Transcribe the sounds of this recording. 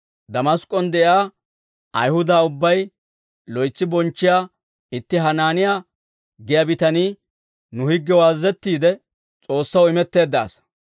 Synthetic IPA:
d̪ɐmɐskʼːɔnd̪ɛʔjaː | ʔɐ̰jhʊd̪aːʊbːɐj | lɔjt͡sːɪbɔnt͡ʃːɪjaː | ɪt̪ːɪɦɐnaːnɪja | ɡɛjɐbɪt̪ɐniː | nʊhɪɡːɛwaːzːɛt̪ːiːd̪ɛ | t͡sʼo̞ːsːɐwɪmɛt̪ːe̞ːd̪ːa̰ːs

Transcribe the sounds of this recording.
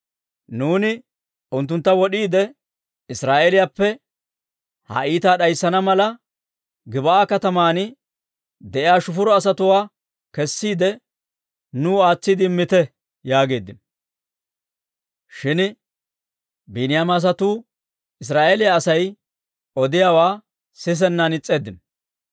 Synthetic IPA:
nuːnɪ | ʊnt̪ːʊnt̪ːɐwɔɗiːd̪ɛ | ɪsɾaːʔɛlɪjaːpːɛ | hɐ̰ʔiːt̪aːɗɐjsːɐnɐmɐlɐ | ɡɪbɐaːkɐt̪ɐmaːnɪ | d̪ɛʔɪjaːʃʊfʊɾɔɐs̬ɐt̪ʊwaː | kɛsːiːd̪ɛ | nʊːaːt͡sːɪd̪ɪmːɪt̪ɛ | jaːɡe̞ːd̪ɪn | ʃɪn | binɪjaːmɐs̬ɐt̪uː | ɪs̬ɾaːʔelɪjaːsɐj | ʔɔd̪ɪjawaː | sɪs̬ɛnːɐnɪt͡sʼːe̞ːd̪ːɪn

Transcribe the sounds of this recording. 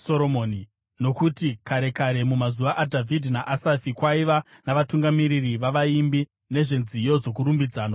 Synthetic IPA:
soɾomoːni | no̞kutikaɾe̞kaɾe̞mumazuʋaʔadʱavʱidʱnaʔasafikwaiʋa | naʋatuŋɡamiɾiriʋaʋaimbi | ne̞ʐe̞nzijo̞d͡zo̞kuɾumbid͡zaːno

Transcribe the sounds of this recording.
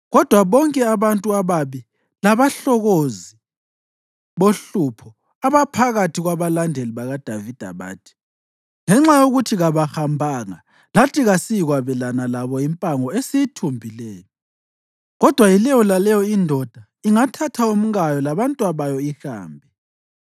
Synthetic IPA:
ɣɔd̥ʱwaβɔŋkʼɛaβantʼuaβaβi | laβaɬɔɣozi | βoɬupʰɔ | aβapʰaɣatʰiɣwaβalandʱeliβaɣad̥ʱavid̥ʱa̰βa̰ːtʰi̥ | ŋɛŋ͡ǁajoɣutʰiɣaβaxambʱaːŋa | latʰiɣasijiɣwaβɛlanalaβɔimpʼaŋɔesijitʰumbʱilɛːjɔ | ɣɔd̥ʱwajilɛjɔlalɛjɔindʱɔd̥ʱa | iŋatʰatʰaom̩ɣajɔlaβantʼuaβajɔixa̰ːmbʱɛ

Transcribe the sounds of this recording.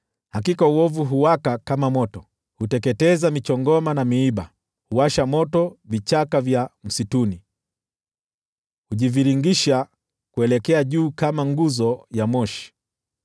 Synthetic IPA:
hakikauwɔvuɦuwakakamamɔtɔ | hutɛkɛtɛzamit͡ʃɔŋɡɔmanamiiɓa | huwaʃamɔtɔvit͡ʃakavjam̩situni | huʄiviɾiŋɡiʃa | kuɛlɛkɛaʄuːkamaŋɡuzɔjamɔʃi̥

